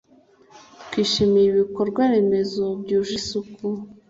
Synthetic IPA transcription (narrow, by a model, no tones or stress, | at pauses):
tkwiːʃimijiβiko̞ɾɡwaɾe̞me̞zo̞bjuːʒisuku